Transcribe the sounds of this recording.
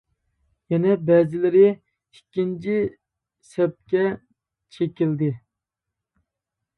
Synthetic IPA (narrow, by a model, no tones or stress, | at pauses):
jɛnɛbɛzɪlɪɾɪ | ikʲːint͡ʃʰi | sɛp̚kʲɛ | t͡ʃʰekʲild̪ɪ